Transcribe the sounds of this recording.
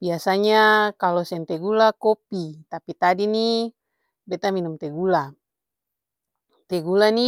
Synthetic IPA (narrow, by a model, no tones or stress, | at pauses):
biasaɲakalɔsɛnt̪ɛɡulakopit̪apit̪adini | bɛt̪aminumt̪eɡula | t̪ɛɡulani